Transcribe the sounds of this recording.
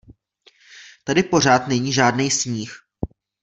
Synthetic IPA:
t̪adɪpo̞r̝aːt̪nɛɲiːʒaːdnɛjsɲiːx

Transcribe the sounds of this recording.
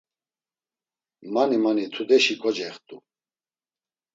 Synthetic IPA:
manimanit̪ʰud̪ɛʃikʰʼɔd͡ʒɛχt̪ʼṵ

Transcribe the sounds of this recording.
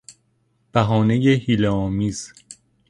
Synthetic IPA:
b̥æɦɒːne̞jehiːleɒːmiːz̥

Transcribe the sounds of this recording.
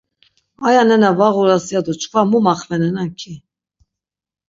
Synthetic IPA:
ajanɛnavɑɣuɾasjad̪ɔt͡ʃʰkʰvamumaχvɛnɛnankʰi

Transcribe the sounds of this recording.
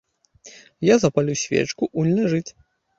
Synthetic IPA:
jazɐpalʲusʲvʲḛt͡ʂkuʔulʲnʲɐʐɨt͡sʲ

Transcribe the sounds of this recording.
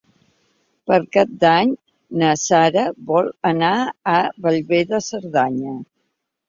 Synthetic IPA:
pəɾkap̚d̪aɲ | nəsaɾəβɔlˠənaːβəʎβeðəsəɾðaɲə

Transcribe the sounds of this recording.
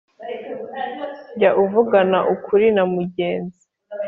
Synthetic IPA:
ɟaʔuvuɡanaʔukʰuɾinamuɟeːnzi

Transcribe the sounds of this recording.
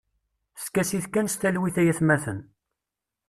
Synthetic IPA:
skæsiθkænst̪ælwiθæjæθmæθən

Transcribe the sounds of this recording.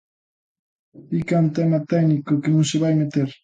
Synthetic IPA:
ikant̪ɛmat̪ɛnikokenũŋseβajmet̪eɾ

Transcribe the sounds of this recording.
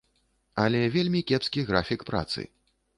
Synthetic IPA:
ɐlʲɛvʲelʲmʲikʲɛpskʲiɣɾafʲikpɾa̰t̪sɨ̰

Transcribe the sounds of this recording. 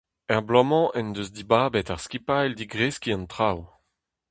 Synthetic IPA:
ɛʁblɔmɑ̃ʔɛnd̪øzd̪ibaːbɛtaʁskʲipajld̪iɡʁeskʲiɑ̃nt̪χaw

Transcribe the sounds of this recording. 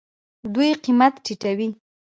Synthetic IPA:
d̪ujqimat̪ʈiʈawi

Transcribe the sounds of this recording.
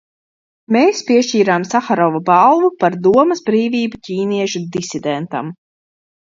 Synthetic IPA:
meːspiɛʃt͡ʃiːɾaːmsaxaɾɔvabalˠvupaɾd̪uɔmɐzbɾiːvʲiːbucʲiːniɛʃud̪isid̪ɛnt̪a̰m

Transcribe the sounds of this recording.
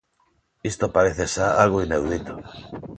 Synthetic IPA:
ist̪opaɾeθesaalɣoinewðit̪o̥

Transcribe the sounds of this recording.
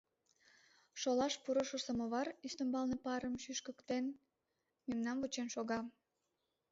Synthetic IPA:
ʃolɑʃpuɾəʃəsəməβɑryst̪əmbɑlnepɑɾəmʃyʃkəkt̪en | memnɑmvut͡ɕenʃoɣɑ

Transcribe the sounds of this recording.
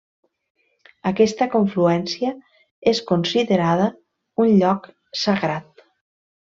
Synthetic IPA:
əkɛst̪əkoɱfluɛnsiə | eskonsiðeɾaðə | unʎɔk | səɣɾat̪̚

